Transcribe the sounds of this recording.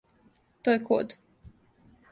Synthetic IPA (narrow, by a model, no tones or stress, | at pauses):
t̪ojekʰo̰d̪